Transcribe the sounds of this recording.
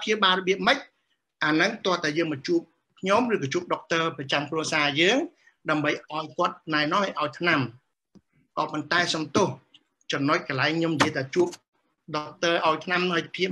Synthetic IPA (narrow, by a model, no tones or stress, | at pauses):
pʰjiəwɓaːrɔɓiəp̚mɨc̚ | ʔaːnɨŋt̪ŏəlt̪aɛjəːŋmɔt̚t͡ɕuəp̚ | kʰɲomrɨːkɑːt͡ɕuəp̚ɗok̚t̪əːprɑt͡ɕamkruəsaːjəːŋ | ɗaəmɓəjʔaɔjkŏət̪̚naɛnɔ̆hʔaɔjt̪ʰnam | kɑːpont̪aɛsɑmt̪oh | t͡ɕɑmnoc̚kəlaɛŋɲomjəjt̪ʰaɛt͡ɕuəp̚ | ɗok̚t̪əːʔaɔjt̪ʰnamnəjpʰiə